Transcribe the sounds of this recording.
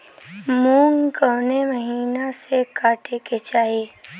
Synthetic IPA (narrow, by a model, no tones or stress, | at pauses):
mũːŋɡkoːneməɦiːnasekaːʈeket͡ʃaːɦie